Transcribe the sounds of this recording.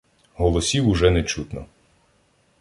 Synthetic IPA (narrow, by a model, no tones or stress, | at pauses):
ɦɔlˠɔsʲiwʊʒɛnet͡ʃut̪nɔ